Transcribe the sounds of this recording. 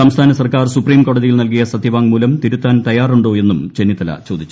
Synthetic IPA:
sɐmst̪ʰaːnɐsɐrkaːrsupriːmko̞ːɽɐðijilnɐlkijɐsɐd̪ʰʱiʋaːŋmuːlɐmt̪iɾut̪ːaːnt̪ɐjaːruɳɖo̞ːe̞nːumt͡ɕenːit̪ɐlɐ̰t͡ɕo̞ːd̪it͡ɕːu

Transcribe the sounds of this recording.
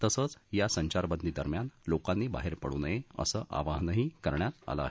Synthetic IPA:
t̪əsət͡sjasəɲt͡ɕaɾbənd̪ʱiːd̪əɾmjanlokanːiːba̰ɦeɾpə̰ɽṵːnəjeə̰səːʔa̰ʋaɦnəɦiːkəɾɳjat̪a̰la̰a̰ɦe

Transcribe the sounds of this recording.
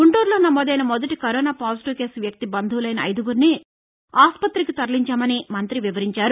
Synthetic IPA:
ɡuɳʈuːɾloːnɐmːɔːd̪ɐjnɐmɔd̪ɐʈikɐɾɔːnaːpaːsiʈiʋke̞ːsʋjɐk̚t̪ibɐnd̪ʱuʋlɐjnɐ̰ːjd̪uɡuɾni | aːspɐt̪ɾikit̪ɐɾliɲt͡ʃaːmɐnimɐnt̪ɾiʋiʋɐɾiɲt͡ʃaːɾu

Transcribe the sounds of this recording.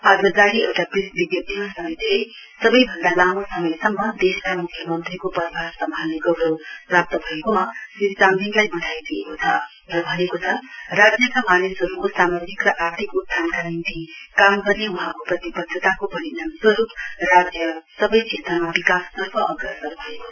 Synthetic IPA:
aɡɾʌd͡zaɽiewʈaprisbibjʌd̪imasʌmit̪ej | sʌbʌjbʱʌnd̪alamosʌmʌjsʌŋːʌd̪eskamukʰjʌmʌnt̪rikopʌɾbʱaɾsʌmãleɡʌbɾoprap̚t̪ʌbʱʌekomasiɾt͡sand̪inlajbʌʈʰajd̪iekot͡sʰʌ | rʌbʱʌnekot͡sʰʌrad͡zjʌkamanesʌɾukosamod͡zikrʌʔart̪ʰikud̪̚t̪ʰankanint̪ikamɡʌrnewuɦãkoprʌt̪ibʌd̪ʱːʌt̪akopʌɾinanswʌɾuprad͡zjʌsʌbʌjt͡ʃʰet̪amabikast̪ʌrpʰʌʔʌɡrʌsʌɾbʱʌeko

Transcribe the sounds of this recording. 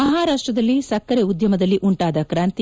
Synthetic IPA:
ɐɦaːɾaːʂʈɾɐd̪ɐlːisɐkːɐɾeud̪jɐmɐd̪ɐlːiʔuɳʈaːd̪ɐkɾaːnt̪i

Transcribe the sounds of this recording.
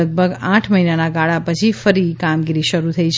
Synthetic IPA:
əɡ̚bəɡãʈʰməɦinanaɡaɭapət͡ʃʰifəɾikamɡiɾiʃəɾut̪ʰəit͡ʃʰ

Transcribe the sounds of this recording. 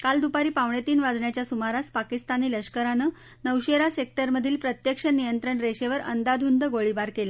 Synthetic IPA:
kald̪upaɾiːpaʋɳet̪iːnʋad͡zɳjat͡ɕjasumaɾaspakist̪aniːləɕkəɾanə | nəwɕeɾasek̚t̪əɾməd̪ʱiːlpɾət̪jəkʂənijənt̪ɾəɳɾeɕeʋəɾə̰nd̪ad̪ʱund̪əɡoɭibaɾkela

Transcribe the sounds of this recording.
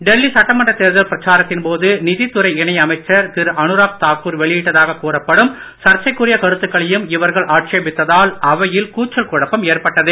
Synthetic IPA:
ɖɛlːisɐʈːɐmɐɳɖɐt̪eːɾðɐlpɪɾɐt͡ʃaːɾɐt̪ːɪnpoːðɯnɪðit̪ːʊɾɐɪɪɳɐɪjɐmɐɪt͡ʃːɐɾt̪ɪɾʔɐɳɯɾaːk̚t̪aːkːuːɾʋɛɭɪjɪʈːɐðaːɣɐkːuːrɐpːɐɽɯm | sɐɾt͡ʃɐɪkːɯrɪjɐkɐɽɯt̪ːɯkːɐɭɐjɯmɪʋɐɾɣɐɭʔaːʈt͡ʃeːbɪt̪ːɐðaːlɐʋɐjɪlkuːt͡ʃːɐlkʊɻɐpːɐmeːrpɐʈːɐðɯ

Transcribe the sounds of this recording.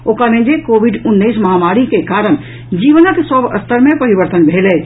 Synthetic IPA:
oːkaɾẽd͡ʒekobʱiɖʊnːəisməɦamaɾikekaɾəɽ̃ | d͡ʒiːʋnak̪sɔbə̰st̪əɾmẽpəɾibəɾt̪ənbʱelɛ

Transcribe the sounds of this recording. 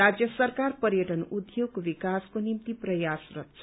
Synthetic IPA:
ad͡zjʌsʌrkarpʌɾjʌʈʌnud̪joɡbikaskonimt̪iprʌjasrʌt̪̚t͡sʰ

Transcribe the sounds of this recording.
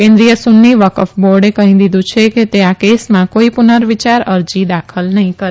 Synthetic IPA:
kẽnd̪ɾijəsunːiʋəkəfboɾɖekəɦĩd̪id̪ũt͡ʃʰeket̪eakesmãkoipunəɾʋit͡ʃaɾəɾd͡ʒid̪akʰəlnəɦĩkəɾ

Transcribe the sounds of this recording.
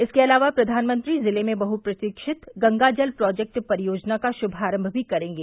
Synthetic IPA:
ɪskeɐlaːʋapɾɐd̪ʱaːnmə̃nt̪ɾizɪlemẽbɐɦupɾɐt̪ɪkʃɪt̪ɡɐ̃ŋɡad͡ʒəlpɾɔːd͡ʒɛk̚ʈpɐɾɪjoːd͡ʒnakaʃʊbʱaːɾə̃mbʱbʱikɐɾẽːŋɡeː

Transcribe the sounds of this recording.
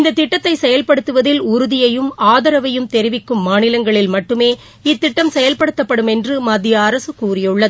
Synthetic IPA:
ɪnd̪ɐt̪ːɪʈːɐt̪ːɐɪsɛjɐlpɐɽɯt̪ːɯʋɐðɪlʊɾʊðɪjɐjɯmaːðɐɾɐʋɐjɯmt̪ɛɾɪʋɪkːɯmːaːnɪlɐŋɡɐɭɪlmɐʈːɯmeː | ɪt̪ːɪʈːɐmsɛjɐlpɐɽɯt̪ːɐpːɐɽɯmɛndrɯmɐd̪ːɪjɐːɾɐsɯkuːrɪjɯɭːɐðɯ

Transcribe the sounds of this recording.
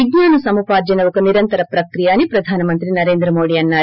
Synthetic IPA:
iɡnaːnusɐmupaːd͡ʒɐnɐʋukuniɾɐnt̪ɐɾɐpɾɐkɾijaːnipɾɐd̪ʱaːnɐmɐnt̪ɾinɐɾeːnd̪ɾɐmoːɽijɐnːa

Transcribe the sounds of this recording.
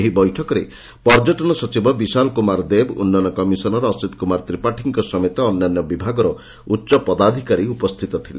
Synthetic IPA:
eɦibɔjʈʰɔkɔɾe | pɔɾd͡ʒɔʈɔnɔsɔt͡ʃibɔbisalkumaɾd̪ebṵnːɔnɔkɔmisɔnɔɾɔːsit̪kumaɾt̪ɾipaʈʰiŋkɔsɔmet̪ɔːnːanːɔbibʱaɡɔɾɔ | utːʃɔpɔd̪ad̪ʱikaɾiupɔst̪ʰit̪ɔt̪ʰile

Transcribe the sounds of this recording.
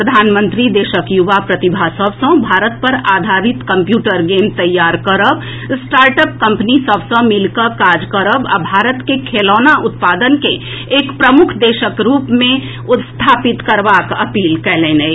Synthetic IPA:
pɾəd̪ʱaːnmə̃nt̪ɾid̪eːʃəkjuʋapɾət̪ibʱasəbsə̃bʱaːɾət̪̚pɐɾaːd̪ʱaɾit̪kə̃mpjuːʈəɾɡeːmt̪ɐjːaːɾkəɾəb | sʈaːɾʈəp̚kɐ̃mpnisəbsə̃mɪlkəkaːd͡ʒkəɾəba̰bʱaːɾət̪kekʰeːlɔːnaʔʊt̪paːd̪ənkeː | kpɾəmʊkʰd̪eːʃəkɾuːpmẽ | ʊt̪st̪ʰaːpɪt̪kəɾʋakəpiːlkɛɦlẽːnɛ

